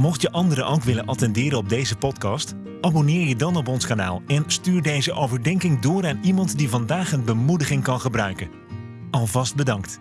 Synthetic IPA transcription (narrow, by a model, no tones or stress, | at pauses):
mɔχtjəʔɑndəɾəʔowkʋɪlənʔɑtɛndɪːɾənɔb̚dejzəpɔtkɑst | ʔaːbonɪːɹjədɑnɔp̬ɔnskana̰ːlˠɛnstyːɹdejzəʔowvəɹdɛŋkɪŋdʊːraːnimɑntdivɑndaːχənbəmudəχɪŋkɑnχəbrœɥkən | ɑlˠvɑst̚bədɑŋkt